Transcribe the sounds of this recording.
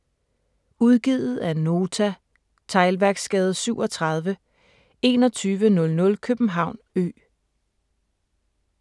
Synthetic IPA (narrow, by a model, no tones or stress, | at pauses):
uð̞ˠɡ̥iðˠð̩ˠæno̝ːt͡sʰæ | t͡sʰɑ̈ɪlʋæɐɡ̥sɡ̥ɛːð̞̩ˠsyʊ̰ɒ̽t͡sʰʁɑð̞ˠʋə | e̝ːnɒ̽t͡sʰyːʋənɔ̽lnɔ̽lkʰøb̥n̩ɦɑ̈ʊ̰nø̰ː